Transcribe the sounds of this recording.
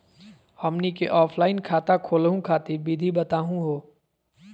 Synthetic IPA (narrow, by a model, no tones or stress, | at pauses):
hɔmnikeʔɔːpʰlaːɪnkʰaːt̪akʰoːlɦũkʰaːt̪ibiːd̪ʱibɐt̪aːɦũɦoː